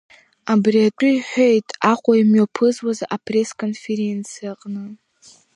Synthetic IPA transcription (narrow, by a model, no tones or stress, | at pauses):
abriatʷʼʊjħʷᶣo̞jtʼaχʷʼaimɥopʰɨzwazʔapʰre̞skʰʼo̞nfe̞ɾe̞nt͡sʰijaqʼnɨ